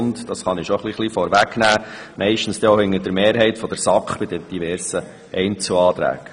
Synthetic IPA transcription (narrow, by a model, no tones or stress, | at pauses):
ntd̥ɑsχɑnɪʃoχliχlifɔɾʋæknæːmɛɪʃtn̩sd̥ɛohɪŋːəd̥əɾmeːɾɦɛɪtfɔd̥̪əɾsɑkχb̥ɪd̥ɛd̥ivɛːɾsə | ɛɪnt͡suɑːt̪ɾæ̰ːɡ̥